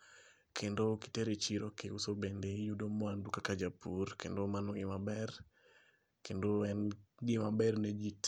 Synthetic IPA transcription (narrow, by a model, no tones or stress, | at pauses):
kʰendoki̥teɾet͡ʃiɾokɪusobendejudomɔandukakad͡ʒapurkendomanoɪmabɛr | kʰendoɛnɡɪmabɛrned͡ʒit